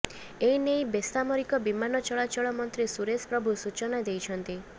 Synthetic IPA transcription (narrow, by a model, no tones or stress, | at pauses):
ejinejbest̪amɔɾikɔbimanɔt͡ʃɔɭat͡ʃɔɭɔmɔnt̪ɾisuɾespɾɔbʱusut͡ʃɔnad̪ejt͡ʃʰɔnt̪i